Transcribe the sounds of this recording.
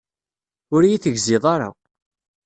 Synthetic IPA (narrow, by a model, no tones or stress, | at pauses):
ʊɾjiθəʝzɪðˤɑɾˤa̰